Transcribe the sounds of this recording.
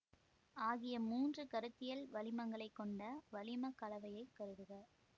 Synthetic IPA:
aːɣɪjɐmuːndrɯkɐɾɯt̪ːɪjɐlʋɐlɪmɐŋɡɐɭɐɪkːɔɳɖɐʋɐlɪmɐkːɐlɐʋɐjɐɪkːɐɾɯðɯɣɐ

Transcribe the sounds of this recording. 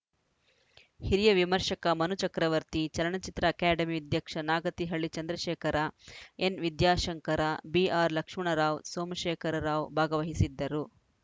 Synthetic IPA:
hiɾijɐʋimɐɾʂɐkɐmɐnut͡ʃɐkɾɐʋɐɾt̪it͡ʃɐlɐɳɐt͡ʃit̪ɾɐːkaːɖɐmiɐd̪jɐkʂɐnaːɡɐt̪iɦɐɭːit͡ʃɐnd̪ɾɐʃɛːkɐɾʔɐenʋid̪jaːʃɐŋkɐɾabiaːɾlɐkʂmɐɳɐɾaːʋsoːmɐʃɛːkʰɐɾɐɾaːʋbʱaːɡɐʋɐɦisid̪ːɐɾu

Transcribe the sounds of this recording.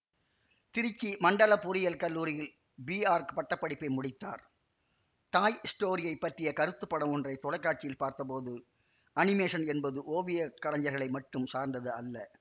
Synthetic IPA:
t̪ɪɾɪt͡ʃːimɐɳɖɐlɐpʊɾɪjɐlkɐlːuːɾɪjɪl | biːaːɾkɯ̥pɐʈːɐpːɐɽɪpːɐɪmʊɽɪt̪ːa̰ːɾ | ʈaːjɪsʈoːɾɪjɐɪpːɐʈrɪjɐkɐɾɯt̪ːɯpːɐɽɐmɔndrɐɪt̪ɔlɐɪkːaːʈ̚t͡ʃːɪjɪlpaːɾt̪ɐp̬oːðɯ | ʔɐnɪmeːʂɐnɛnbɐðɯʔoːʋɪjɐkːɐɽɐɲd͡ʒɐɾɣɐɭɐɪmɐʈːɯmsaːɾnd̪ɐðɯɐlːɐ

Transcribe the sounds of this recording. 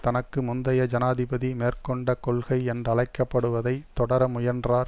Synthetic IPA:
t̪ɐnɐkːɯmʊnd̪ɐjɐd͡ʒɐnaːðɪbɐðimeːrkɔɳɖɐkɔɭɣɐɪɛndrɐɭɐɪkːɐpːɐɽɯʋɐðɐɪt̪ːɔɽɐɾɐmʊjɐndraːɾ

